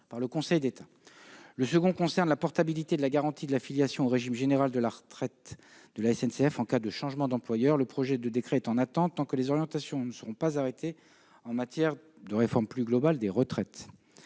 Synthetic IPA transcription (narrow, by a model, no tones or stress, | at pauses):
paʁləkɔ̃sɛjd̪et̪ʰa | ləsəɡɔ̃kɔ̃sɛʁnlapɔʁt̪abilit̪ed̪əlaɡaʁɑ̃t̪ʰid̪əlafiljasjɔ̃oʁeʒimʒeneʁald̪əlaʁət̪χɛt̪ | d̪̥əlaɛsɛnseɛfɑ̃kad̪əʃɑ̃ʒmɑ̃d̪ɑ̃plwajœʁləpχɔʒɛd̪əd̪ekχɛːt̪ɑ̃nat̪ɑ̃t̪ːɑ̃kəlezɔʁjɑ̃t̪asjɔ̃nəsəʁɔ̃pazaʁet̪ʰe | ɑ̃mat̪jɛʁ | d̪əʁefɔʁmplyɡlɔbald̪eʁət̪χɛt̪